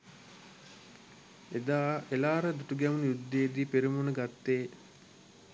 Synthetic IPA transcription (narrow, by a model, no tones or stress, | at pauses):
ed̪aːelaːɾəd̪uʈuɡɛʋunujud̪ːejːd̪iːpeɾimunəɡat̪ːeː